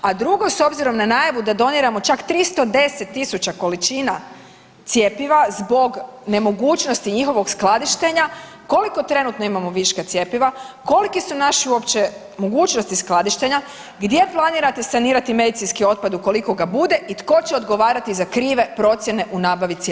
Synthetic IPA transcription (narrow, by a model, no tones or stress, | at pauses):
ad̪ɾuɡoso̞bziɾo̞mnanajaʋud̪ad̪o̞niɾamo̞t͡ʃakt̪ɾist̪o̞d̪e̞se̞t̪ːisut͡ɕako̞lit͡ʃiːna | t̪sjepiʋazbo̞ɡne̞mo̞ɡuːt͡ʃno̞st̪iɲixo̞ʋo̞ɡsklˠad̪iʃt̪e̞ɲa | ko̞liko̞t̪ɾe̞nut̪no̞imamo̞ʋiʃkat̪sjepiʋako̞likisunaʃiuopt͡ɕe̞ | mo̞ɡuːt͡ʃnost̪isklˠad̪iʃt̪e̞ɲa | ɡd̪je̞plˠaniːɾat̪e̞saniːɾat̪ime̞d̪it̪sinskio̞t̪̚pad̪uko̞liko̞ɡabud̪e̞ʔit̪ko̞t͡ɕeo̞d̪ɡo̞ʋaːɾat̪izakɾiːʋe̞pɾo̞t̪sje̞ne̞ʔunaːbaʋit̪se